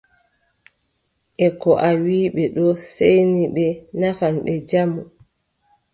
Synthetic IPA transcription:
ʔɛkɔʔawiːɓɛɗɔsejniɓɛnafanɓɛd͡ʒamu

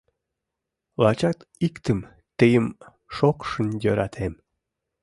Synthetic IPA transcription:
lɑt͡ɕɑt̪ikt̪əm | t̪əjəm | ʃokʃənjøɾɑt̪ʰem

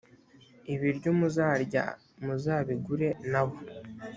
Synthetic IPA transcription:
iβiɾɟomuzaːɾɟa̰ | muzaːβiɡuɾe̞naβo

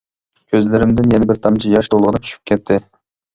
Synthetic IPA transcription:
kʲʰøzlɪɾɪmd̪ɪnjɛnɛbɪɾt̪ʰɑmt͡ʃʰijɑʃt̪ʰolˠʁənɨt̪ʰy̥ʃʰy̥p̚kʲʰɛt̪ʰːɪ

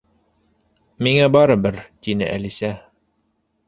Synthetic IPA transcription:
miŋæbɑɾɤbɘɾt̪inɘ̰ʔæ̰lisæ

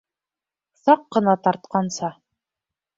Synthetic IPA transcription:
sɑqːɤ̆nɑt̪ɑɾt̪̚qɑnsɑ

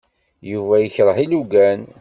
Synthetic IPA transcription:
juvæjəçɾˤəħiluɡæn

